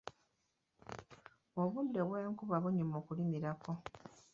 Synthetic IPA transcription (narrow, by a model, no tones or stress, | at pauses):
oβundeβweːŋkuβaβuɲumoːkuliniɾako̞